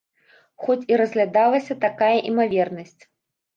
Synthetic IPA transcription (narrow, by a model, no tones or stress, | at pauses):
xɔt͡sʲiɾɐzʲɣlʲad̪alˠɐsʲɐt̪akajɐʔimavʲɛrnɐsʲt͡sʲ